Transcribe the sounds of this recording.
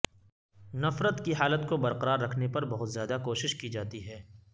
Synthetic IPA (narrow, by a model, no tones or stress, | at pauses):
nɐfɾət̪kiɦaːlət̪kobɐɾqɐɾaːɾːɐkʰnepɐɾbɐɦʊt̪zjaːd̪akoːʃɪʃkid͡ʒaːt̪iɦɛː